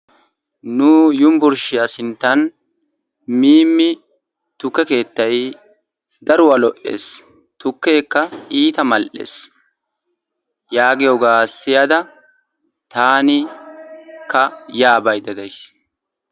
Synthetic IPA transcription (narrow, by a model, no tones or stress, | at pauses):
nʊjʊmbʊɾʃɪjasɪnt̪ːɐn | miːmːɪ | t̪ʊkːɛke̞ːt̪ːɐj | d̪ɐɾʊwɐlɔʔe̞̰ːs | t̪ʊkːe̞ːkːɐʔiːt̪ɐmɐlʔḛːs | jaːɡɪjoɡaːsːɪjad̪ɐ | t̪aːnɪ | kɐjaːbɐjd̪ɐd̪ɐjs